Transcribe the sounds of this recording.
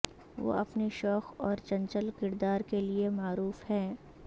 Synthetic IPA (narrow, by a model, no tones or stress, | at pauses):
ʋo̰ːɐpneʃɔːxɔːɾt͡ʃɐ̃nt͡ʃəlkɪɾd̪aːɾkeliemaːɾuːfhɛ̃ː